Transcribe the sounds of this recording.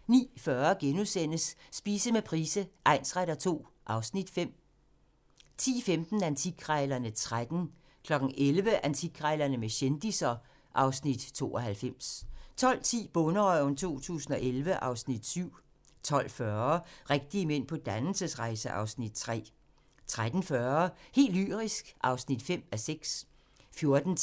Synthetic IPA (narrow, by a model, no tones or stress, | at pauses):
nḭːfɶɐɡ̥enusen̰əsːb̥iːsəmepʰʁiːsəʔɑ̈ɪnsʁaɾ̥ɐt͡sʰo̝̰ː | ʔɑ̈ʊsnid̥fem̰ | t͡sʰḭːfemd̥n̩ænt͡sʰiɡ̥ʰʁaɪlɐnət͡sʰʁad̥n̩ | kʰlɒ̽ɡ̥n̩ʔelʋəʔænt͡sʰiɡ̥ʁaɪlɐnəmeɕend̥isɐ | ʔɑ̈ʊsnid̥t͡sʰo̝̰ːɒ̽ɦælfem̰st͡sʰɒ̽l̰t͡sʰḭːb̥ɔnəɒnt͡sʰo̝̰ːt͡sʰṵːsn̩ɒ̽ʔelʋəʔɑ̈ʊsnid̥syʊ̰ | t͡sʰɒ̽l̰fɶɐʁeɡ̥̚d̥iəmen̰pʰɒ̽d̥ænl̩səsʁɑ̈ɪsəʔɑ̈ʊsnid̥̚t͡sʰʁɛ̰ː | t͡sʰʁad̥n̩fɶɐhe̝̰ːldly̰ːʁisɡ̥ʔɑ̈ʊsnid̥fem̰æseɡ̥s | fjo̝ɐd̥n̩ʰ